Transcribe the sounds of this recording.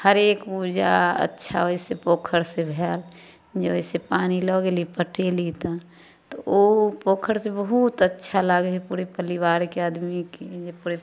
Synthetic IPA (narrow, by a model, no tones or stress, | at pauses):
həɾeːkuːd͡ʒa̰ə̰tːʃʰa̰oɪsepoːkʰəɾsebʱɛːl | d͡ʒeɪsepaːnilɔɡelipəʈelit̪a | t̪oopoːkʰəɾsebəɦut̪ətːʃʰalaɡɦɛpuːɾepəlɪwaːɾkeaːd̪miked͡ʒepuːɾe